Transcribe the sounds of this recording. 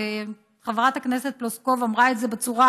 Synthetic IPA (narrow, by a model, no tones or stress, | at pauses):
χavʁat̪akneset̪̚plosko̞vamʁaetzebet͡suʁa